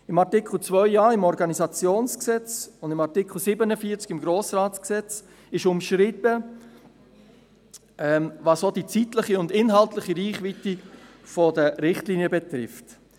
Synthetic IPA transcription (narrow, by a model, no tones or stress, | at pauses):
ɪmɑʁtɪkl̩t͡svœʏjɑːɪmɔɾɡɑnizɑt͡sjoːnsksɛt͡sʊndɪmɑʁtikχl̩sɪbənəfiːt͡skɪmɡɾoːsraːtsksɛt͡s | ɪʃʊmʃɾɪtə | ɛmvɑsodit͡sitlɪχiʊndɪnɦɑltlɪχiɾiːχvitifɔdəɾɪχtliːnjəbɛt̪ɾɪft